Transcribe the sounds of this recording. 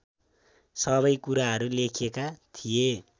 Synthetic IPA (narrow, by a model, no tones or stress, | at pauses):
sʌβʌjkuɾaɦʌɾulekʰekat̪ʰije